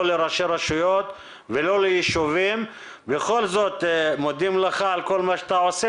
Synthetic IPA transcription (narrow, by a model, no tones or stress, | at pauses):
oleɾaʃeɾaʃujot̪ | velo̞lejiʃuvim | beχo̞lzo̞t̪mod̪imleχaalkolmaʃat̪aose